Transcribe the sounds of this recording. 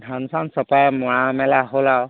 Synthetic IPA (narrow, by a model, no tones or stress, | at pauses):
dʱansansɔpajmɔɹamɛlaɦolaw